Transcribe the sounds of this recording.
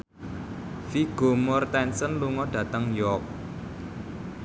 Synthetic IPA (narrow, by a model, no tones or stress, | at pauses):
fiɡ̥o̤mɔrt̪ɛnsənluŋɔɖ̥ä̤t̪əŋjɔk̚